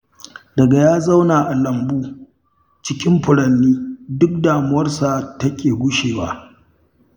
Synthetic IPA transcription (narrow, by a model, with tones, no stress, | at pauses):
dɐ˨ɡa˨jaː˦za˦wnaː˨ʔa˨lɐ˨mbuː˦ | t͡ʃɪ˦kʲɪ˦mɸʊ˨ɽɐ˨nːiː˦dʊ˦k̚daː˨mʊ˦wɐ˦rsa˨tɐ˦kʲeː˨ɡʷʊ˦ʃeː˨wa̰ː˦ʔ